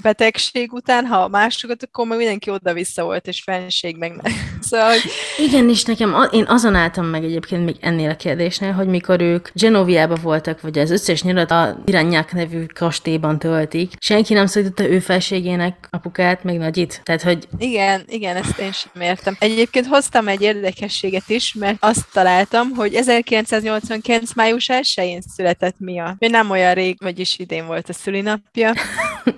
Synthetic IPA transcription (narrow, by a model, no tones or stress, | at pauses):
b̥ɛt̪ɛkʃeːɡut̪aːnɦɒmaːʃokot̪ɒkːormeːɡmind̪ɛŋkio̞d̪ɒvisːɒvo̞̰lt̪eːʃfɛnʃeːɡmɛɡnɛsolɦoɟiɡɛneːʃnɛkɛmɒʔeːnʔɒzonaːlt̪ɒmːɛɡɛɟeːpkeːnt̪meːɡɛ̰nːeːlɒkeːrd̪eːʃneːlɦo̞ɟmiko̞ɾøːkd͡ʒɛnovijaːbɒvo̞lt̪ɒkʋɒɟɒzø̞sːɛʃɲud̪ɒt̪ɒ̰iɾaːɲːaknɛvykʰɒʃt̪eːbɒnt̪ølt̪ikʃɛŋkinɛmsoɾit̪ot̪ːɒøːfɛlɛʃeːɡeːnɛkɒpukaːt̪mɛɡnɒɟit̪t̪ːaːt̪hoɟiɡɛniɡɛnɛst̪eːnʃɛmeːrt̪ɛmɛɟeːp̚keːnt̪ho̞st̪ɒmɛɟːeːrd̪ɛkɛʃːeːɡɛt̪iʃmɛrt̪ɒst̪ːɒlaːlt̪ɒmɦo̞ɟɛzɛrkilɛnt̪saːzɲo̞lt̪sʋɒŋkilɛnt̪smaːjuʃɛlʃɛjeːnsylɛt̪ɛt̪miɒoɟnɛmo̞jɒnreːɡmɒɟiʃid̪eːɱvo̞lt̪ɒsylinɒpjɒ